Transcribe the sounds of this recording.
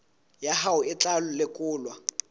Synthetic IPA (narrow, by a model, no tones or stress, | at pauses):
jaɦaʊɪt͡ɬʼalʊlɪkʼʊːlwa